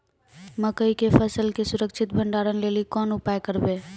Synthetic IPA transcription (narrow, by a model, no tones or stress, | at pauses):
məkəikepʰəsəlkesuɾəkt͡ʃʰit̪̚bʱəɳɖaɾənlelikɔnupajkəɾbe